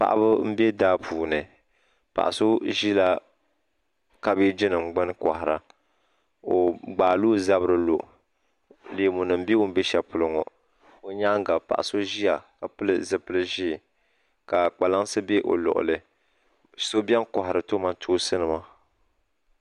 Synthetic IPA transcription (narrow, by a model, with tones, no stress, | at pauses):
pa̰˨ʔa̰˦bɨ˦m̩˦be˦daː˦pʰuː˨nɨ˨ | pa̰˨ʔa̰˨so˦ʒi˦la˦ | ka˦bi˦d͡ʒi˦nɨ˨ŋ͡m̩˦ɡ͡bɨ˦n˦kɔ̰˨hɪ˨ɾa˦ | o˨ɡ͡baː˨luː˦za˦βɨ˦ɾɨ˦lo˨ʔ | li˨˦mu˨nɨ˨m̩˦bi˦o˦m̩˦bi˦ʃɛ˨pʊ˨lɨ˦ŋɔ̰˨ | o˨ɲa˦ŋ˦ɡa˨pa̰˨ʔa̰˨so˦ʒi˦a˨ka˨pɨ˦lɨ˦zɨ˦pɨ˦lɨ˦ʒi˦˨ | ka˨k͡pa˨la˦ŋ˦sɨ˦be˦ʔo̰˨lɔ̰˨ʔʊ̰˨lɨ˦ | so˦bɛ˦n˦kɔ˨hɪ˨ɾɨ˨to˦ma˦tʰoː˦sɨ˦nɨ˨ma˦